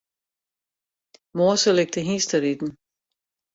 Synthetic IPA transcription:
moːsəleɡ̥̚d̥əɦiːsd̥əɾid̥n̩

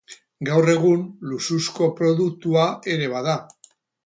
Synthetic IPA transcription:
ɡawre̞ɣunlususko̞pɾo̞ðukt̪uae̞ɾe̞βað̞a

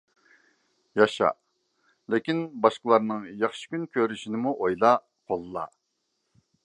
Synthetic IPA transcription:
jɑʃɑ̰ | lɪkʲinbɑʃqəlˠɑɾnɨŋjɑχʃi̥kʲynkʲʰøɾyʃinɪmuʔojlˠɑ | qʰolˠːɑ̰

